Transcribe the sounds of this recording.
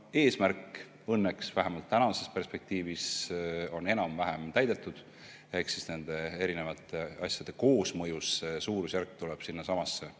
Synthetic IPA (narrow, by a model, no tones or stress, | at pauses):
e̞ːsmærk | ɤnːeksvæɦemɑlt̪ːænɑse̞spe̞rspe̞k̚t̪iːviso̞ne̞nɑmvæɦemt̪æjd̪e̞t̪ːˑud̪̥ | e̞hksisne̞nd̪̥e̞e̞ɾine̞vɑt̪ːˑe̞ɑ̰sjɑd̪̥e̞ko̞ːsmɤjusːe̞suːɾusjærkːt̪ulɛb̥sinːɑsɑmɑsːe̞